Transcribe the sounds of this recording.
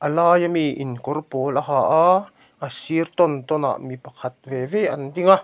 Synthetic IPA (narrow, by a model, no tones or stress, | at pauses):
ʔalaːjamiʔḭnkorpolaɦaʔa | ʔasiəɾt̪ɔnt̪ona̰ʔmipakʰat̪̚veveʔant̪iŋa